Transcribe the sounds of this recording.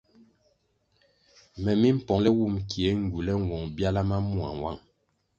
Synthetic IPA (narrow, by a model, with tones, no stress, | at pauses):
mɛ˨mi˦m̩˦˨pɔ˨lɛ˦wu˦˨mkʰi˨e˨˦ŋ̩˨ɡu˨lɛ˦ŋ˨wɔ˨ŋbja˦la˦ma˦mu˦a̰˨ŋwa˦˨ŋ